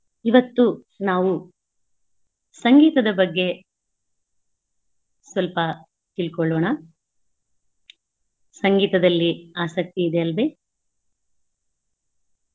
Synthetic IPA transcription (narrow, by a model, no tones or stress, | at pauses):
iʋɐt̪ːu | naːʋu | sɐŋɡiːt̪ɐd̪ɐbɐɡːe̞ | sʋɐlpɐ | t̪ilkɔɭoːɳɐ | sɐŋɡiːt̪ɐd̪ɐlːiaːsɐk̚t̪iːd̪eɐlʋe